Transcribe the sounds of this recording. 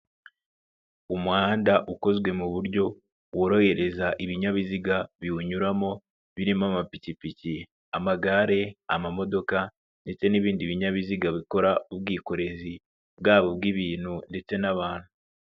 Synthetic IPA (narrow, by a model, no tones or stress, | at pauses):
umŋaːndaʔuko̞zɡwe̞muβuɾɟo̞ | wuɾo̞he̞ɾe̞zaʔiβiɲaβiziɡaβiuɲuɾamo̞ | βiɾimoamapicipici | amaɡaɾe̞a̰mamo̞do̞ka | nde̞t͡se̞niβiːndiβiɲaβiziɡaβiko̞ɾaub̚ɡiːko̞ɾe̞zi | bɡaːβo̞bɡiβiːn̥hunde̞t͡se̞naβaːn̥hu